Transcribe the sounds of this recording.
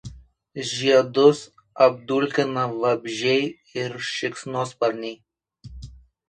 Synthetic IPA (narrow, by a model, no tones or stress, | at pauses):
ʒʲiɛd̪ʊs | ɐbd̪ulʲkʲɪnɐʋɐbʲʒʲɛɪ | ɪɾʃʲɪksnoːspɐɾʲnʲɛɪ